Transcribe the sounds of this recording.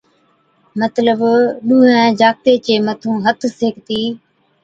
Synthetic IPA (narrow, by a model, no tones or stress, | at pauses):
mət̪ləbɗuːɦɛ̃ːd͡ʒaːk̚t̪eːt͡ɕeːmət̪ʰũːɦət̪ʰseːkt̪iː